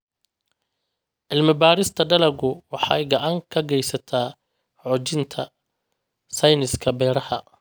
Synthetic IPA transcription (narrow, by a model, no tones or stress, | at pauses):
ʕɪlmɪbaːɾɪst̪ʰɐɖɐlɐɡʊwɑħɑ̰jɡɑʕɑŋkʰɐɡɛjsɐt̪ʰaː | ʕɔt͡ʃɪnt̪ʰɐ | sɐjnɪskʰɐbɛːɾɐhɐ